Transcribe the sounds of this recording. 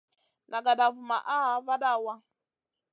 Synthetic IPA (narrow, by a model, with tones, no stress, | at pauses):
nʔa˨ɡa˨ɗa˨vu˨ma̰˨ʔa˦va˦ɗa˦˨wa˦